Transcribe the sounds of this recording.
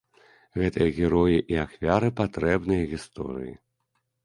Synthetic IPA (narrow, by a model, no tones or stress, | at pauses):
ɣɛt̪ɨjɐɣʲɛɾɔjiʔiaxfʲaɾɨpat̪ɾɛbnɨjɐɣʲist̪ɔ̰ɾɨ̰jḭ